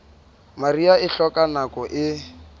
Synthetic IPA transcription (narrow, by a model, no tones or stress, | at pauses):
mariaɪɬɔkʼanakɔʔɪ